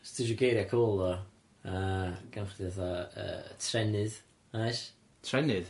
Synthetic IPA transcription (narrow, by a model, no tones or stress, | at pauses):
stiʃuɡejɾjakʰoːlˠðɔ | əɡ̥anχdiðaθaə̰ːtʰrɛnɪð | aʃ | tʰrɛnɪð